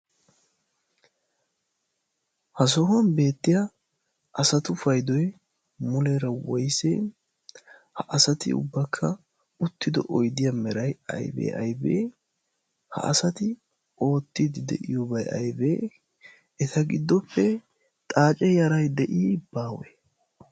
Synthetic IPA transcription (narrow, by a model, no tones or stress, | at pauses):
hɐs̬ɔhʊɐnbe̞ːt̪ːɪjɐ | ʔɐsɐt̪ʊfɐjd̪ɔjɛ | mʊlɛɾɐwɔjse | hɐʔɐsɐt̪ɪ̰ʊ̰bːɐkʰːɐ | ʊt̪ːɪd̪ɔ̰ʔɔjd̪ɪjɐmɛɾɐjɐ̰jbḛːʔɐjbḛː | hɐ̰ʔɐsɐt̪ɪ | o̞ːt̪ːiːd̪ɪd̪ɛ̰ʔɪjɔbɐjɐ̰jbeː | ɛt̪ʰɐɡɪd̪ːɔpʰːɛ | t̪ʼaːt͡ʃʼɛjɐɾɐjd̪ɛʔiːbaːwɛ̰